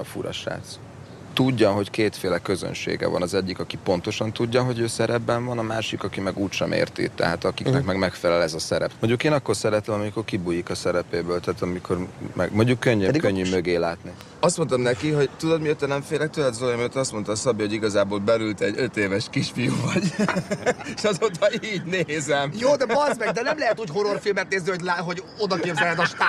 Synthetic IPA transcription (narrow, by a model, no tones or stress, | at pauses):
ɒfṵɾɒ̰ʃra̰ːt̪s | t̪uɟːɒɦo̞ckeːt̪feːlɛkø̞zø̰nʃḛːɡɛ̰vɒ̰nɒzɛɟːikɒkipo̞n̪t̪o̞ʃɒnt̪uɟːɒɦo̞ɟøːsɛɾɛbːɛɱvɒnɒmaːʃikɒkimɛɡuːcʃɛmʔḛːrt̪ḭt̪ːɛ̰ɦaːt̪ɒkiknɛkmɛɡmɛkfɛlɛlɛzɒsɛɾɛpmoɲɟːukeːnɒkːo̞rsɛɾɛt̪ɛmɒmiko̞rkibujikɒsɛɾɛpeːbøːlt̪aːt̪ɒmikʰo̞rmʔɛ̰ɡmoɲɟukːøɲːøkøɲːymøɡeːlaːt̪ni | ɒst̪mo̞nt̪ɒmnɛkiɦo̞ɟt̪ud̪ot̪miøt̪ːɛnɛɱfeːlɛk̚t̪ølɛt̪zolojɒmiøt̪ːɛɒst̪mo̞nt̪ɒsɒbiho̞ɟiɡɒzaːboːlbɛlylt̪ɛɟø̞t̪eːvɛʃkiʃfijoːvɒɟ | eʃɒzoːt̪ɒiːɟneːzɛmjoːd̪ɛɒzmɛd̪ɛnɛmlɛɦɛt̪uːcɦoɾorfilmɛt̪̚neːznihoɟlaɦoɟod̪ɒkeːbzɛlɦɛd̪ɒʃt̪ː